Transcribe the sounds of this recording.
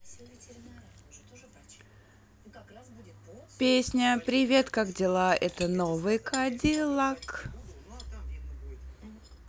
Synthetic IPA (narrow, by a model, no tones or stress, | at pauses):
pʲesʲnʲəpɾʲɪvʲe̞t̪kakdʲɪlˠaʔɛt̪ənovɨjkʰadʲɪlˠak